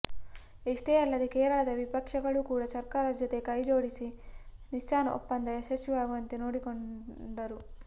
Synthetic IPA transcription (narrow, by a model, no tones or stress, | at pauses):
iʂʈeːɐlːɐd̪ekeːɾɐɭɐd̪ɐʋipɐkʂɐɡɐɭukuːɽɐsɐɾkaːɾɐd͡ʒɔt̪e̞kɐjd͡ʒo̞ːɽisiniʃt͡ʃaːnɐʔṵpːɐnd̪ɐjɐʃɐʃjuʋaːɡuʋɐnt̪eno̞ːɽikoɳɖɐɾu